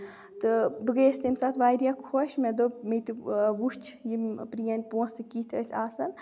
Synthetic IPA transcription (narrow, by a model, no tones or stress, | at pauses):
t̪ɨbəɡeːst̪emʲsat̪ʰʋaːɾʲjakʰoʃmed̪omet̪ɨʋuʃt͡ʃʰjimpɾijanʲpõːsɨkiːt̪ʰə̰sʲʰaːsɐn